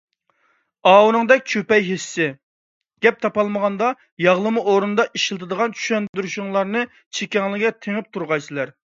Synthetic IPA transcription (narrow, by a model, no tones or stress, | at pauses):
ɑːwunɨŋd̪ɛk̚ʲt͡ʃʰøpɛjɦisːɪ | ɡ̥ʲɛp̚t̪ʰɑpɑlˠməʁɑnd̪ɑ | jɑʁlˠɨmuʔoɾund̪ɑʔiʃlˠɨt̪ʰɨd̪əʁɑnt͡ʃʰy̥ʃɛnd̪yɾyʃuŋlˠɑɾnɨ | t͡ʃʰekʲɛŋlɪɡʲɛt̪ʰeŋɪp̚t̪ʰuɾʁɑjsɨlæɾ